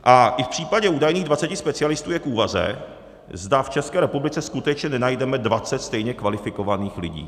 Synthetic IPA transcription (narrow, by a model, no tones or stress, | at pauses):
ʔaʔɪfpr̝̥iːpaɟɛuːdajniːɣdvat͡sɛcɪspɛt͡sɪalɪst̪uːjɛkuːvazɛ̰ | zdaft͡ʃɛskɛːɾɛpublɪt͡sɛskut̪ɛt͡ʃɲɛnɛnajdɛmɛdvat͡sɛt̪st̪ɛjɲɛkvalɪfɪkovaniːxlɪ̰ɟḭː